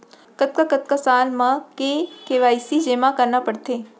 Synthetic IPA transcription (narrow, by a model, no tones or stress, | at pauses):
kət̪̚kəkət̪̚kəsalmãkekeʋaisid͡ʒemãkəɾnãpəɽt̪e